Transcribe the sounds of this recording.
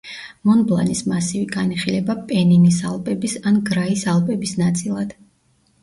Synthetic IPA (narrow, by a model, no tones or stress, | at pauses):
mɔnblˠa̰nismasiviɡaniχilɛbapʼɛninisalˠpʼɛbisanɡɾaisalˠpʼɛbisnat̪sʼilˠad̪̥